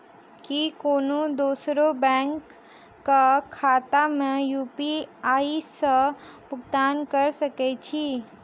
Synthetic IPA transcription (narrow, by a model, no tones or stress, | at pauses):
kikoːnod̪oːsɾobɛ̃ŋkː | akʰaːt̪amẽjuːpiaːisəbʊɡt̪aːnkəɾsəkɛt͡ʃʰi